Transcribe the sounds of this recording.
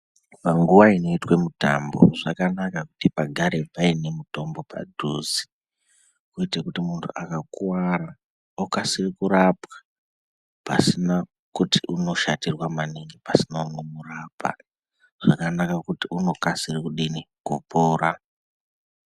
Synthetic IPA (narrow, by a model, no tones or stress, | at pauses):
paŋɡuʋaino̞itwe̞muta̰mbo̰ʐakanakakutipaɡʱaɾe̞paine̞muto̞mbo̞pa̰dʱuzi̥ | kuitakutimuntʰuakakuwaɾa | okasirikuɾapwḁ | pa̰sina | kuti̥uno̞ʃatirwamaniŋɡipasinaunomuraːpa̰ | ʐ̥akanakakutiuno̞kasirikuɗiniɡ̥ʱupoːɾa